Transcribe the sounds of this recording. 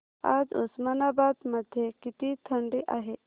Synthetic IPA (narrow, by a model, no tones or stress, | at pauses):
a̰d͡zṵsmanabad̪məd̪ʱːjekit̪it̪ʰəɳɖiʔaɦe